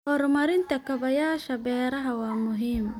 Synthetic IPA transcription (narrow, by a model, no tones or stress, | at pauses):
hɔɾmɐɾɪnt̪ʰɐkʰɐβɐjaːʃɐbɛːɾɐɦɐwɑːmʊɦiːm